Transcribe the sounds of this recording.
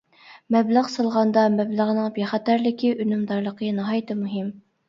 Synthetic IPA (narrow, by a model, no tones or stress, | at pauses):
mɛbləʁsɑlˠʁɑnd̪ɑmɛbləʁnɨŋbeχæt̪æɾlɪkʲʰiʔynymd̪ɑɾlˠəqʰənɑɦɑjt̪ʰɛmuɦɪm